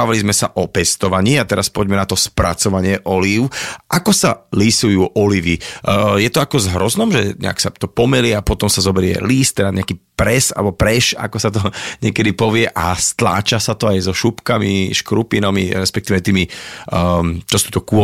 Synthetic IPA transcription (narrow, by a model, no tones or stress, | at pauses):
aʋalizmɛsa̰ʔɔpɛst̪ɔʋaɲiːat̪ɛɾaspɔɟmɛnat̪ɔspɾa̰t͡sɔʋaɲɪɛʔɔliʊʔakɔsalisujuːʔɔliʋijɛt̪ɔakɔzɦɾɔznɔmʒɛɲɛ̰a̰ksa̰t̪ɔpɔmɛlɪɛapɔt̪ɔmsazɔbɛɾɪɛ̰liːst̪ːɛɾaɲɛakipɾɛsa̰lɛbɔpɾɛʃa̰kɔsat̪̬ɔɲɛkɛd̪ipɔʋɪɛʔast̪la̰ːt͡ʃasat̪ɔajzɔʃupkamiʃkɾupinamḭɾɛspɛk̚t̪iːʋɛt̪iːmi | t͡ʃɔsut̪ɔkuɔ